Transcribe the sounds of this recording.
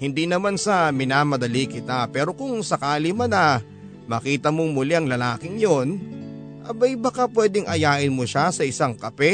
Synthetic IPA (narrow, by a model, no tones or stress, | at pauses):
hɪnd̪inɐmansɐmɪnaːmɐd̪ɐlikɪt̪apɛːɾo̞kʊŋsɐkaːlɪmɐnɐ | mɐkiːt̪ɐmomʊlɛɐŋlɐlaːkɪŋjon | ʔɐ̰bɐjbɐkapwɛːd̪ɪŋʔɐjaːʔɪnmoʃasɐɪsaŋkɐpɛ